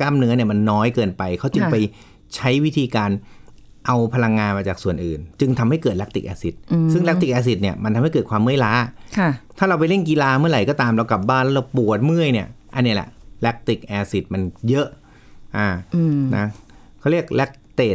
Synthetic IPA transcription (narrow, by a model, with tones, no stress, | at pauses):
kaː˥˩mnɯ˦˥ni˥˩əma˧nːɔː˦˥jkɤː˧npa˧jkʰa˦˥wt͡ɕɯ˧ŋpa˧j | t͡ɕʰa˦˥jwi˦˥t̪ʰiː˧kaː˧n | ʔa˧wpʰa˧la˧ŋːaː˧nmaː˧t͡ɕaː˨˩k̚su˨˩ənʔɯː˨˩nt͡ɕɯ˧ŋt̪ʰa˧mha˥˩jkɤː˨˩t̪̚lɛ˦˥t̪i˨˩k̚ʔɛ̰ː˧si˨˩t̪̚sɯ˥˩ŋlɛ˦˥t̪i˨˩ʔɛː˧s̬i˨˩t̪̚ni˥˩ɐma˧nt̪ʰa˧mhkːt̚kʰwaː˧mːɯ˥˩˨jlaː˦˥kʰa˥˩t̪ʰaː˥˩ɾa˧wpa˧jle˥˩nki˧laː˧mɯ˥˩ɐɾa˨˩jkɔː˥˩t̪aː˧mɾa˧wkla˨˩p̚baː˥˩nlɛ˦˥ɾa˧wpu˨˩ət̪̚mɯ˥˩əjni˥˩ɐʔa˧nːiː˧˥˩lɛ̰˨˩ʔlɛ˦˥k̚t̪i˨˩k̚ʔɛː˧si˨˩t̪̚ma˧njɤ˦˥ʔ | ʔaː˧˩na˦˥ | kʰɾi˥˩ək̚lɛ˦˥k̚t̪eː˨˩t̪̚